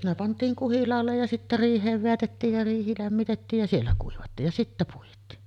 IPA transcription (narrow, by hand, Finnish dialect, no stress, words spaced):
ne pɑntˑiːŋ kuhilɑːlːej jɑ sitːæ riːhˑeːʋ ʋeætetːiːj jɑ riːhi læmːitetːiːj jɑ sielːæ kuiʋɑtːiːj jɑ sitːæ puitˑiː